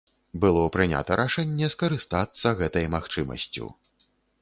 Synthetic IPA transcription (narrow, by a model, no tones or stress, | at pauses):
bɨlˠɔpɾɨnʲa̰t̪ɐɾʔaʂɛnʲːɛskɐɾɨst̪at̪sːɐɣɛt̪ɐjmaxt͡ʂɨmɐ̰sʲt͡sʲṵ